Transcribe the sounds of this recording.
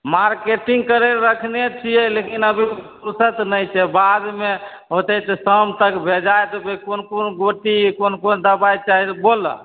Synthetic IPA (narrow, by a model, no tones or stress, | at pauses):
maɾkeʈiŋɡkəɾeɾəkʰnet͡ʃʰiɛlekinəbʱipuɾsət̪nəjt͡ʃʰɛbad̪me | ɦot̪ɛt̪ɔsəmt̪əkbʱed͡ʒajt̪ɔbekonkonɡoʈikonkond̪əbajt͡ʃaɦit̪bolə̰